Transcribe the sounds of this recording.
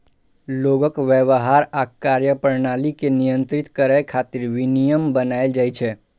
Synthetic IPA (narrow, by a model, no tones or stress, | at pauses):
loɡəkʋəʋəɦaɾakːaɾjəpəɾnalikenijə̃nt̪ɾit̪kəɾəjkʰat̪ɪɾʋinijəmbənaeld͡ʒaːjt͡ʃʰɛ